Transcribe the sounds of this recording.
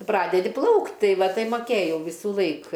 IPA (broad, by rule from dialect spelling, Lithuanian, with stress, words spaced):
ˈprɑːdʲɛdʲɪ ˈplˠɐʊktʲ ˈtɐɪ ˈʋɐ ˈtɐɪ mɐˈkʲeːjɛʊ ˈʋʲiːsʊlˠɐɪk